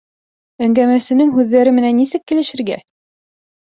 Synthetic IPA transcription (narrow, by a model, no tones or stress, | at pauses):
æŋɡæmæsɘ̆nɘŋɦʉðːæɾɘmɘ̆nænːisɘkːɘ̆lɘ̆ʃɘ̆ɾɡæ̰